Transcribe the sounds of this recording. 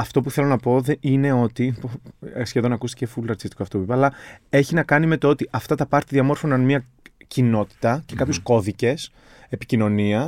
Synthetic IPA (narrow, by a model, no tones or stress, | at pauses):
ɐft̪o̞puθe̞lo̞nɐpo̞ðeʔine̞o̞t̪iposçeðo̞nɐkust̪i̥cefulɐɾt̪si̥st̪i̥koɐft̪opipɐːlɐe̞çinɐkɐnime̞t̪oo̞t̪iʔɐft̪ɐt̪ɐpɐɾt̪iðiɐmo̞ɾfo̞nɐnmiɐ | cino̞t̪i̥t̪ɐce̞kɐpço̞sko̞ðice̞s | e̞pi̥cino̞niɐ